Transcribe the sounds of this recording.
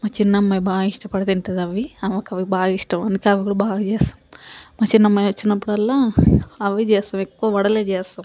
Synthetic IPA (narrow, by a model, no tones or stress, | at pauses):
mɐt͡ʃinːɐmːɐjbaːɡiʂʈɐpɐɽɐt̪iɳʈ̪ɐd̪ɐʋiɐʋɐkɐʋibaːɡiʂʈɐmɐnd̪ukeɐʋiɡɐɽubaːɡɐd͡ʒeːsɐ̥mmɐt͡ʃinːɐmːɐjʋɐt͡ʃːinɐpːɐɽɐlːɐɐʋːid͡ʒeːsɐmekːuɐʋɐɽɐled͡ʒeːsɐm